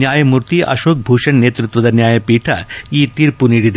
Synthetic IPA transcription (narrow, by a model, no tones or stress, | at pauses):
njaːjɐmuɾt̪iʔɐ̰ʃoːk̚bʱuːʃɐɳnːeːt̪ɾut̪ʋɐd̪ɐnjaːjɐpiːʈʰa̰iːt̪iɾpuniɽid̪